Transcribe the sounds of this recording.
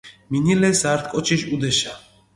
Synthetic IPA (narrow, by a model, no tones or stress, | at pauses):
minilɛsaːɾt̪kʼɔt͡ʃʰiʃud̪ɛʃa